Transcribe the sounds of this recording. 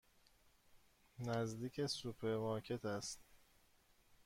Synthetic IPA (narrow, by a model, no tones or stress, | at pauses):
næzd̪iːcʰesupʰeɾmɒːcʰe̞t̪ʰæst̪